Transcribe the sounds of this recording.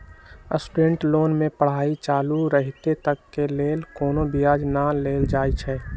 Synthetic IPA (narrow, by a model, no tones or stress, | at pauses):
əsʈuɾẽɳʈloːnmẽpəɽ̤aːit͡ʃaːluɾəɦit̪et̪əkːeleːlkoːnobijaːd͡ʒnaleːld͡ʒaːit͡ʃʰɛː